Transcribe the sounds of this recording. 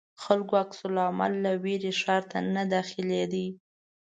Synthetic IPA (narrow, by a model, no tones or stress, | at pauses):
xalkoaksʊlɑma̰lːaweɾeʃɑɾt̪anad̪ɑxɪled̪i